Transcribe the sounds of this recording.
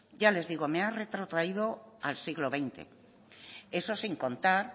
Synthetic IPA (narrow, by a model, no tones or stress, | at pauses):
ɟ͡ʝale̞zðiɣ̞omeare̞t̪ɾot̪ɾaið̞o̞alsiɣlo̞β̞e̞jnt̪e̞̰ | e̞so̞siŋko̞nt̪aɾ